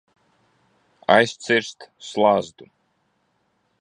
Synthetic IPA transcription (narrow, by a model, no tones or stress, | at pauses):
a̰jst̪siɾst̪slˠazd̪u